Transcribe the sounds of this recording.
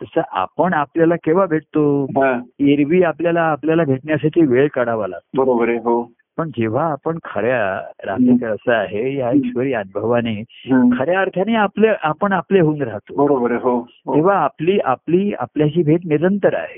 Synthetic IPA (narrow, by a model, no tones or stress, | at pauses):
t̪əsəʔa̰pəɳapljalakeʋ̤abʱeʈt̪oɦãeɾʋiːapljalaːpljalabʱeʈɳjasaʈʰiːʋeɭkəɽaʋala̰ɡ̚t̪boəɾobəɾeɦo | pəɳd͡ʑeʋ̤aːpəɳkʰəɾjaɾa̰t̪ikəɾəsəaɦejaekɕʋəɾiːənubʱəʋaneɦkʰəɾjaːɾt̪ʰaneapleʔapəɳapleɦouːnɾaɦt̪obəɾobəɾeɦo | ɦ̪eʋ̤aːpliːʔa̰pliːa̰pljaɕiːbʱeʈ̬niɾənt̪əɾa̰ɦe